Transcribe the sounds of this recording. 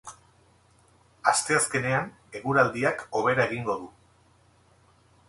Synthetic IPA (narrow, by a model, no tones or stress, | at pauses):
ast̪e̞aske̞ne̞an | e̞ɣuɾald̪iako̞β̞e̞ɾae̞ɣ̞iŋɡo̞ðu